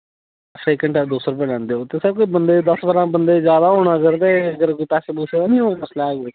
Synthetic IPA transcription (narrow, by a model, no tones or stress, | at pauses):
seːkəɳʈɛːd̪oːsɾəp̬ɛ̃ːlɛ̃ːnd̪eːoːt̪eːsəb̚koibənd̪eːd̪əsbəɾãːbənd̪eːzjaːd̪aːɦoːɽ̃aːəɡəɾt̪eːəɡəɾkoːipɛːseːbʊʃʰeːaːnĩːɦoːməslaɛːɡ